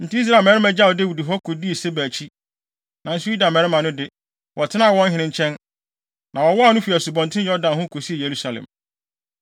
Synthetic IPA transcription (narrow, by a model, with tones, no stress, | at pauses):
n̩˨ti˦i˦s̬ɾaː˨mɛ˦ɾɪ˦mã˨d͡ʑa˦˨ɔ˨de˦˨wu˨di˨ɦɔ˦kʰo˨di˦e˨se˦bæː˨t͡ɕʰi˦ | nã˨n̩˦sʊ˦ji˦dã˨mɛ˨ɾɪ˦mã˨nʊ̃˦dɪ˦ | wɔ˨tʰɪ˦nã˦˨wɔ̃˦n˦ɦɪ̃˨nɪ̃˦ɲ̩˦t͡ɕʰɛ̃˦n | nã˨wɔ˨wɔ˦a˨nʊ̃˦fi˨æ˨sʊ˨bɔ̃˨ntʰɪ̃˦jɔ˦ɾdã˨nhʊ̃˦kʰo˨si˦e˨je˨ɾu˦sa˨lɛ̰̃˨m